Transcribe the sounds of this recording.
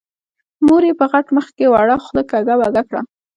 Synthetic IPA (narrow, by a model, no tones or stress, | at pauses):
moɾepəɣaʈməxkewaɽaxləkaɡawaɡakɽa̰